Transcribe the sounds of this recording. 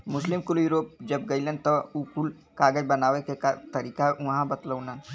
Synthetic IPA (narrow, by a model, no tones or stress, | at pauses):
mʊslimkuljuɾoːp̚d͡ʒɐbɡɐilẽnt̪əukul | kaːɡəd͡ʒbɐnaːʋekeka̰t̪ɐɾiːkaũɦãbɐt̪ləwnan